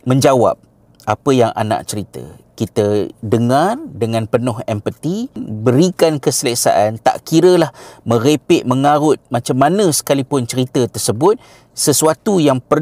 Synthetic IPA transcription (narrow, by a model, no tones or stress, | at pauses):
mə̃ɲd͡ʒawa̰p̚ | apəjaŋa̰na̰ʔt͡ʃəɾit̪ə̰kit̪ədəŋardəŋãnpənʊɦɛmpət̪ibəɾikankəsələsa̰ʔant̪a̰ʔkiɾəlahmə̃ɾepɪʔməŋaɾʊt̪̚mat͡ʃamːanə̃sə̥kalipʊnt͡ʃəɾit̪ət̪ərsəbʊt̪̚ | səsuat̪ujaŋpər